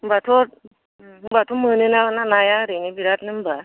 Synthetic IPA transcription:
bat̪ʰo | bat̪ʰomənɯnaənːanajaɾənebiɾat̪nɯmba

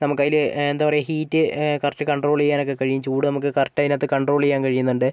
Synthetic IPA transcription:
nɐmukːɐjilɨend̪aːʋɐrejɐɦiːtːɨkɐrtːɨkɐɳɖro̞ːɭejːaːno̞kːe̞kɐɻijumt͡ɕuːɽɨnɐmuk̬ːɨkɐrtːɐðinat̪ːɨkɐɳɖro̞ːɭejːaːnkɐɻijunːuɳɖɨ

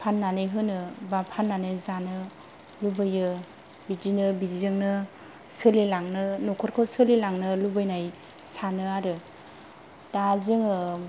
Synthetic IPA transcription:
pʰanːanɯjɦɯnɯbapʰanːanɯjzanɯ | lubɯjɯ | bidinɯbidizɯŋnɯ | sɯlilaŋnɯnɔkʰɔɾkʰɔsɯlilaŋnɯlubɯjnaj | sanɯaɾɯ | dazɯŋɯ

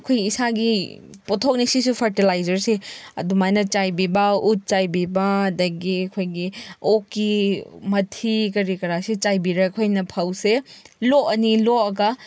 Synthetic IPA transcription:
ɐkʰojɡiːsaɡi | potʰok̚nisisupʰɐɾtilajzɐɾseɐ̰dumajnɐt͡ʃajbibɐut̚t͡ʃajbibɐɐdɐɡiɐkʰojɡiokːimɐtʰikɐɾikɐɾasit͡ʃajbiɾɐkʰojnɐpʰawseloɐniloɐɡɐ

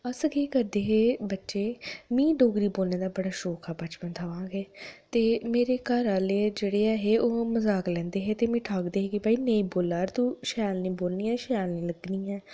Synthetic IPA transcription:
əsəɡeːkəɾd̪eːɦeːbətːʃeːmĩːɖoːɡɾiːboːlneːd̪aːbəɽaːʃoːkʰaːbət͡ʃpənt̪ʰaːʋãːŋɡeːt̪eːmeːɾeːkaːɾaːleːd͡ʒeːɽeːɛːɦeːʔoːməzaːklɛ̃ːnd̪eːɦeːt̪eːmĩːʈʰaːkd̪eːɦeːkɪbaːiːnẽːĩːboːlaːɾt̪ũːʃaːlnĩːboːlniːɛːʃjaːlnĩːləɡnĩːɛː

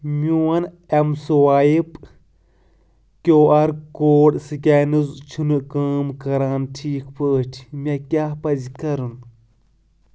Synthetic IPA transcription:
muwɐn | emsuwaːjip | kʲoːɐɾkoːɽsɨkʲaːnɨzt͡ʃʰunɨkaːmkɐɾaːnʈʰiːkʰpʰəːʈʰimʲakʲapɐzikɐɾɨn

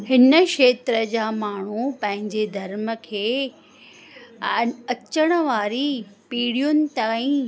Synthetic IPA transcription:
hɪnəkʃeːt̪ɾəd͡ʑaːmaːɳ̤upɐ̃ɦɪ̃ɲd͡ʑed̪ʱɐɾmə̆kʰeː | ɐt͡ɕəɽ̃ə̆ʋaːɾipiːɽijʊnɪ̆t̪aːĩ

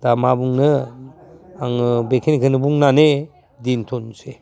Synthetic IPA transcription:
damabuŋnɯ | aŋɯbekʰenkʰɯnɯbuŋnane | dintʰonse

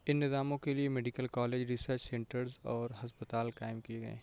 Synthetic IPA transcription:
ɪnːɪzaːmõkeliemɛɖɪkəlkaːleːd͡ʒɾɪsəɾt͡ʃsɛ̃ɳʈəɾzɔːɾɦɐspət̪aːlkaːɪmkieɡɐ̰ḛː

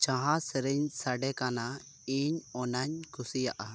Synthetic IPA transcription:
t͡ʃãɦãsɛɾɛɲsaɖɛkana | iɲɔnaɲkʰusijaʔa

